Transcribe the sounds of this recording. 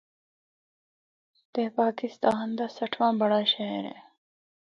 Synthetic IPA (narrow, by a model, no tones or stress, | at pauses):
t̪eːpaːkist̪ɑːnd̪asɐʈʰwãːbɐɽaɕeːɾḛ